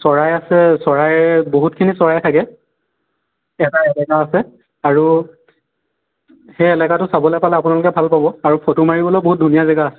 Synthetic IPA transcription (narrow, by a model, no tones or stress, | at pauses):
sɔɹajasɛsɔɹajboɦut̚kʰinisɔɹajtʰakɛ | ɛtaɛlɛkaːsɛ | aɹu | xɛɛlɛkatʊsabɔlɛpalɛapʊnalʊkɛbʱalpabɔaɹupʰɔtumaɹibɔlojboɦut̚dʱunijazɛɡaːsɛ